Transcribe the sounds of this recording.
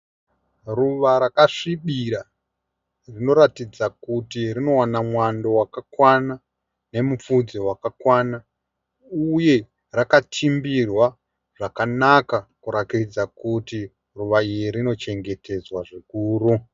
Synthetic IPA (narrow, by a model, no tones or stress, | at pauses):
ruʋaɾakaʂiɓiɾa | rino̞ɾatid͡zakutirino̞wanamwando̞wakakwana | ne̞mup͡fud͡zowakakwana | uje̞ | rakatʰimbirwa | ʐ̥akanakakuɾakid͡zakuti | ruʋaijiɾino̞t͡ʃe̞ŋɡe̞te̞d͡zwaʐikuːɾu